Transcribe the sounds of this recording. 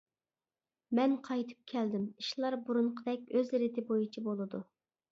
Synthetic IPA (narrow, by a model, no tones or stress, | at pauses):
mɛnqʰɑjt̪ʰɨ̥p̚kʲʰɛld̪ɪmiʃlˠɑɾbuɾuɴqʰəd̪ɛkʲøzɾɪt̪ʰɪbojut͡ʃʰibolˠɨd̪u